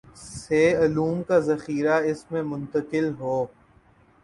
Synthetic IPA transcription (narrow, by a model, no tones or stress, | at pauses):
seːɐluːmkazɐxiːɾaɪsmẽmʊ̃nt̪əkɪlɦoː